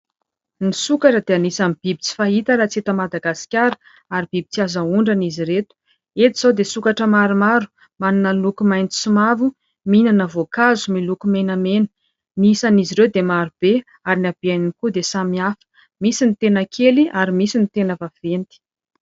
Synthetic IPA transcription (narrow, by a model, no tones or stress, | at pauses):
nisukaʈ͡ʂəd̪eanisamib̥ibit͡si̥faɦit̪əɾat͡set̪əmad̪aɡasi̥kʲaɾə̥ | aɾib̥ibit͡siazauɳɖ͡ʐaniziɾet̪u̥ | et̪iz̥ad̪esukaʈ͡ʂəmaɾimaɾu̥ | manunəlukumajnt̪i̥sumavu | minanəvokazumilukumenəmenə̥ | nisaniziɾewd̪emaɾub̥e | aɾinab̥ianinikud̪esamiafə̥ | misinit̪enəkʰeliʔaɾimisinit̪enəvav̥ent̪i̥